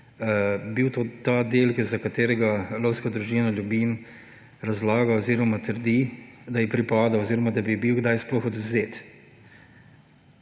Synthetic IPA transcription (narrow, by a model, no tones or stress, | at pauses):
biwt̪oːt̪ad̪elkɛzakat̪eːɾɛɡalowskad̪ɾuʒinaljubim | ɾazlaːɡaoziɾɔmat̪əɾd̪id̪ɐjɛpɾipaːd̪awoziːɾɔmad̪abibiwɡd̪ajsplɔxɔd̪wzeːt̪